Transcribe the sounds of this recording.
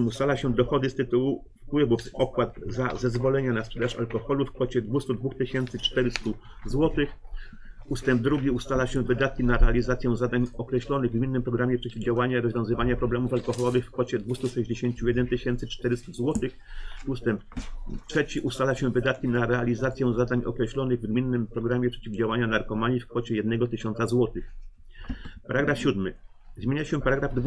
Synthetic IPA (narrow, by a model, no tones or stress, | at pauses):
must̪alaɕɛd̪ɔxɔd̪ɘst̪ɘt̪uwu | fpwɘvufɔkwad̪zazɛzvɔlɛɲanaspʂɛd̪aʂa̰lkɔxɔlufkfɔt͡ɕɛd̪vust̪ud̪vuxt̪ɘɕɛnt̪sɘt͡ʂt̪ɛɾɘst̪u | zwɔt̪ɘx | ust̪ɛmb̚d̪ɾuɡʲiust̪alaɕɛvɘd̪at̪̚kʲinaɾɛalʲizat̪sʲjɛ̃zad̪aɲɔkɾɛɕlɔnɘɣɡmʲinːɘmpɾɔɡɾamʲjɛpʂɛt͡ɕivd͡ʑawaɲaiɾɔzvʲjɔ̃w̃zɘvaɲapɾɔblɛmufalkɔxɔlɔvɘxfkfɔt͡ɕɛd̪vust̪uʂɛʑd͡ʑeɕeɲt͡ɕujɛd̪ɛnt̪ɘɕɛnt̪sɘt͡ʂt̪ɛɾɘst̪uzwɔt̪ɘx | ust̪ɛmp̚tʂɛt͡ɕiʔust̪alaɕɛvɘd̪at̪̚kʲinaɾɛalʲizat̪sʲjɛ̃w̃zad̪aɲʔɔ̰kɾɛɕlɔnɘɣvɡmʲinːɘmpɾɔɡɾamʲjɛpʂɛt͡ɕivd͡ʑawaɲanaɾkɔmaɲʲifkfɔt͡ɕɛjɛd̪̚nɛɡɔt̪ɘɕɔnsazwɔt̪ɘx | paɾaɡɾafɕud̪mɘ̰ | zmʲjeɲaɕɛpaɾaɡɾavd̪v